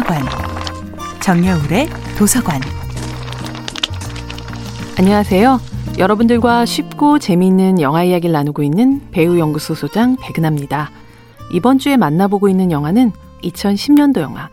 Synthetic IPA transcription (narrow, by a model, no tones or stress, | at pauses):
ɡwan | t͡ɕʌŋɲʌuɾe̞ | tosʰaɡwan | aɲːʌŋasʰe̞jojʌɾʌbundɯɭɡwaɕʰɥip̚k͈ot͡ɕe̞miːnːɯnjʌŋɦwaijaɡiɭːanɯɡoinːɯnpe̞ujʌŋɡusʰosʰod͡ʑaŋpe̞ɡɯnamɲida | ibʌnt͡ɕ͈ue̞manːaboɡoinːɯnjʌŋɦanɯn | it͡ɕʰʌnɕʰimɲʌndojʌ̰ŋɦwa